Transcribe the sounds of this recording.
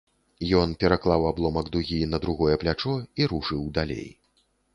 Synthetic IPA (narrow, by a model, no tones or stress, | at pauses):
jɔnpʲɛɾaklˠawablˠɔmɐɡd̪uɣʲinɐd̪ɾuɣɔjɛplʲat͡ʂɔiɾuʂɨwd̪alʲḛj